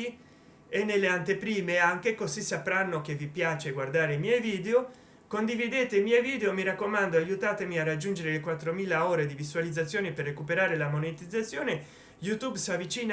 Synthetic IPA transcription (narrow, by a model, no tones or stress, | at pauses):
i | enːelːeant̪epɾiːmeaŋkekozisːapɾanːokevipjaːt͡ʃeɡward̪aːɾeimjɛjviːd̪eo | kond̪ivid̪eːt̪eilmjɛjviːd̪eomiɾakːomand̪oajut̪aːt̪emiarːad͡ʒːund͡ʒeɾelekwat̪ːɾomiːlaoːɾed̪ivisualid̪zːat̪sːjoːniperːekupeɾaːɾelamonet̪id̪zat̪sːjoːne | jut̪ubsavit͡ʃiːn